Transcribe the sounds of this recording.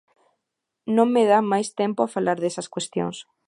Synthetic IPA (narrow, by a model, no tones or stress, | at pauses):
nõŋmeð̞amajst̪empoafalaɾðesɐskwest̪jo̰ŋs